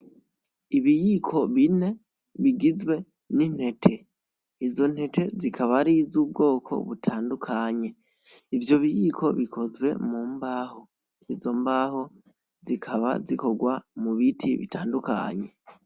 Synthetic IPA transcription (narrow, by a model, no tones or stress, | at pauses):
iβijikʰo̞βine̞ | βiɡizwe̞ | nin̥he̞tʰe̞ | izo̞n̥he̞tʰe̞zikʰaβaɾizub̚ɡo̞ːkʰo̞̰βutʰaːndukʰaɲe̞ | ivjo̞βijikʰo̞βikʰo̞zwe̞̰muːmbaːho̞ | izo̞mbaːho̞ | zikʰaβa̰ziko̞ɡwamuβitʰḭβḭtʰaːnduka̰ɲe̞